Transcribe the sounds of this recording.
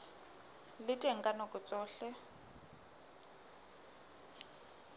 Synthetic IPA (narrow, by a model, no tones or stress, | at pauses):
lɪtʼeŋ̩kʼanokʼʊt͡sʼɔːɬɛ